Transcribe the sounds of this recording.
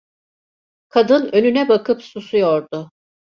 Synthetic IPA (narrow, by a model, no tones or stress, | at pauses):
kʰad̪ɯnønynɛbakʰɯpsusujoɾd̪ʊ